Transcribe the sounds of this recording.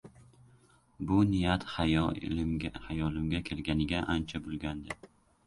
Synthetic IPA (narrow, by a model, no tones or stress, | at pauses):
bʊnɪjat̪ | hajɒlɪmɡʲakʲʰe̞lɡʲanɪɡʲaʔant͡ʃʰabʊlˠɡʲand̪ɪ